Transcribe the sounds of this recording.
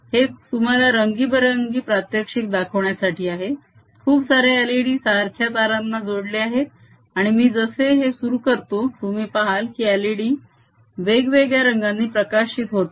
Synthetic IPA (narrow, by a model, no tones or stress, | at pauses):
het̪um̤alaɾəŋɡiːbəɾəŋɡiːpɾat̪jəkʂik̚d̪akʰəʋɳjasaʈiːaɦe | kʰuːpsaɾealiɽiːsaəɾkʰjat̪aɾanːad͡zoɽleaɦet̪̚ | aɽ̃imiːd͡zəseɦesuɾuːkəɾt̪ot̪umiːpaɦalkiːaliɽiː | ʋeɡʋeɡɭjaɾəŋɡanːiːpɾəkaɕit̪ɦot̪